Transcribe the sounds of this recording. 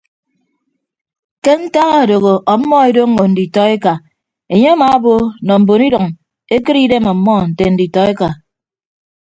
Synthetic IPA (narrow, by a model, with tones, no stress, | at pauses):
ke˦n̩˦ta˦ɣa˦˨do˨ɣo˨ʔɔ˨˦mːɔ˦e˦do˦ŋː˦o˨n̩˨di˨tɔ˦e˦ka˨ | e˨ɲe˦a˦maː˨a˦bo˦nɔ˨m̩˨bo˨ni˦dɔ˨ŋ | e˦kɨ˦ɾi˦de˦mɔ˨˦mːɔ˦˨n̩˨te˨n̩˨di˨tɔ˦e˦ka˨